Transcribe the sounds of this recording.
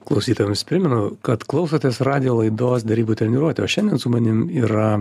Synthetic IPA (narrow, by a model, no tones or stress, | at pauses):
klˠɐʊsʲiːt̪oːjɛmsʲpʲɾʲɪmʲɛnʊkɐt̪klˠɐʊs̬oːt̪ʲeːsrɑːd̪ʲɪjoːlˠɐɪd̪oːs̬d̪ʲɛɾʲiːbuːt̪ʲɾʲɛnʲɪɾuɔt̪ʲɛoːʃʲɛndʲiɛnsʊmɐnʲɪmiːɾɐ